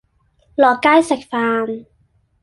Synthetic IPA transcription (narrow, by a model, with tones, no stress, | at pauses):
lɔː˨˩kaː˥˩jsa˨˩k̚faː˧m